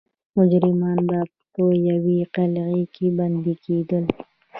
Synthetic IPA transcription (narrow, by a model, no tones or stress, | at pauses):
mʊd͡ʒɾɪmɑnba | pəjawiqalɣikʰeband̪ikʰed̪əl